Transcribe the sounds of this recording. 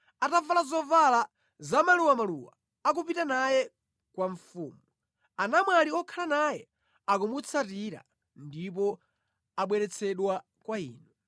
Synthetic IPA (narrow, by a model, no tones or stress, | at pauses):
atavalazɔvala | zamaluwamaluwa̰ː | k̬upitanajɛ | kwaɱfuːmu | anamwaliɔkʰalanajɛ | akumut͡sʰatiɾa̰ | ndip̬ɔ | aɓwɛɾɛt͡sʰɛɗwa | kwaḭːnu